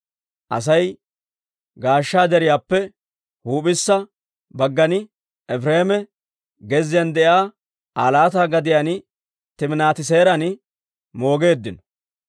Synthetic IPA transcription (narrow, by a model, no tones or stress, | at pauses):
ʔɐ̰s̬ɐj | ɡaːʃːaːd̪ɛɾɪjaːpːɛ | huːpʼɪsːɐ | bɐɡːɐnɪ | ɛfɾeːmɛ | ɡɛzːɪjɐnd̪ɛʔjaː | aːlaːt̪aːɡɐd̪ɪjan | t̪ɪmnaːt̪ɪs̬e̞ːɾɐn | mo̞ːɡe̞ːd̪ːɪnɔ̥